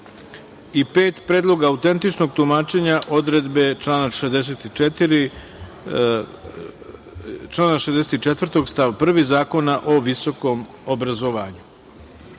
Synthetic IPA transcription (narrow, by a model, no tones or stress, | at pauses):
ipe̞ːt̪pɾeːd̪lˠo̞ɡaːut̪e̞nt̪it͡ʃno̞ɡ̚t̪umaːt͡ʃe̞ɲaʔo̞d̪ɾed̪be̞t͡ʃlaːnaʃed̪eset̪it̪ɾi | t͡ʃlaːnaʃezd̪eset̪it͡ʃet̪ʋr̩t̪o̞ɡst̪aʋpr̩ʋizaːko̞naʔo̞ʋiso̞ko̞m | obɾazo̞ʋaːɲu̥